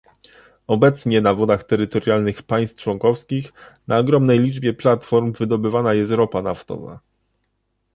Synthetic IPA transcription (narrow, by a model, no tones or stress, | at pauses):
ɔbɛt̪sɲɛnavɔd̪axt̪ɛɾɘt̪ɔɾjalnɘxpaj̃st̪t͡ʂwɔŋkɔfskʲixnaɔɡɾɔmnɛjlʲid͡ʐbʲjɛplat̪fɔɾmvɘd̪ɔbɘvanajɛst̪ɾɔpanaft̪ɔ̰va̰